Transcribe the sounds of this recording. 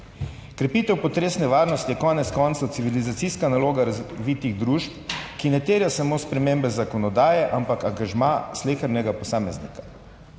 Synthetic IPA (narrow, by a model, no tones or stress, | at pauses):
kɾɛpiːt̪ɛwpɔt̪ɾeːsnɛʋaːɾnɔst̪ijɛkɔnɛt̪skɔnt̪sat̪siʋilizat̪siskanaloːɡaɾaʋiːt̪iɣd̪ɾuʃpkinɛt̪eːɾjasamospɾɛmembɛzakɔnɔd̪aːjɛʔampakaŋɡaʒmasleːxəɾnɛɡapɔsaːmɛznḭkḁ